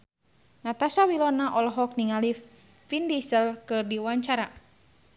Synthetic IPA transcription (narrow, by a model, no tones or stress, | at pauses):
nat̪asawilɔnaʔɔlɔɦɔk̚niŋali | findisəlkɨrdiwaɲt͡ʃaɾa